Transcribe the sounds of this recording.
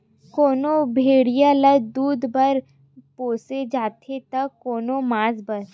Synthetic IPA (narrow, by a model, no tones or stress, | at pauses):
koːnobʱeːɽijalɐd̪uːd̪bɐɾ | poːsed͡ʒaːt̪ʰet̪ɐkoːnomaːzbɐɾ